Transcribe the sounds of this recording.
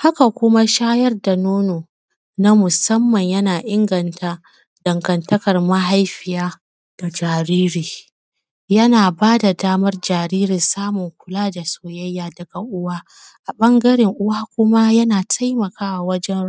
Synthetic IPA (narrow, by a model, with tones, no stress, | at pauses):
ha˦ka˨kʷʊ˦ma˦ʃaː˦jɐ˦rda˨noː˦noː˨ | na˦mʊ˨sɐ˦mːɐ˨ɲjɐ˦naː˨ʔɪ˦ŋɡɐ˨nta˦ | d̥ɐ˨ŋɡɐ˨ntɐ˦kɐ˨rmɐ˦ɦa˦jɸɪ˨jaː˦ | d̥a˨d͡ʒaː˨ɾiː˦ɾiː˨ | jɐ˦naː˨baː˦da˨daː˦mɐ˦rd͡ʒaː˨ɾiː˦ɾɪ˨nsaː˦mʊ˨ŋkʷʊ˨laː˦da˨soː˨jɐ˦jːaː˨dɐ˨ɡa˨ʔʊ˦waː˦ | ʔa˨ɓɐ˦ŋɡɐ˦ɾɪ˨ŋʔʊ˦waː˦kʷʊ˦ma˦jɐ˦naː˨tʰa˦jmɐ˨kʰaː˦wa˨wɐ˦d͡ʒɛ˦n